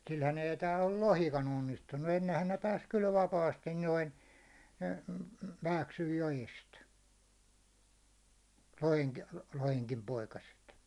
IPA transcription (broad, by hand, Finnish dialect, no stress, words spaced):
silhæn ei tæːlː o lohikɑn onːistunːu enːehæn ne pæːs kyl ʋɑpɑːstin noin m̩ m̩ ʋæːksyj jojest loheŋki loheŋkim poikɑset